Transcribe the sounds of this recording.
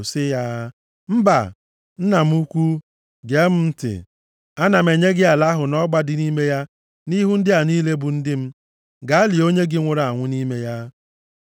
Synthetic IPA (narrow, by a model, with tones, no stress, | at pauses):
sɪ˦ja˦ | m̩˦ba̰˨ | n̩˦na˨m̩˦u˦kʷu˦ | ɡe˨˦m̩˦n̩˦tɪ̰˨ | a˦na˨me˨ɲe˦ɡɪ˦a˨la˦ɦʊ˨nɔ˦ɡ͡ba˦dɪ˨ni˦me˦ja˦ | ni˦ɦu˦n̩˦dɪ˦a˨ni˦le˦bu˨n̩˦dɪ˦m̩˦ | ɡa˨a˦li˨o˦ɲe˦ɡɪ˦ŋʷʊ˨ɾa˨ŋʷʊ˦ni˦me˦ja˦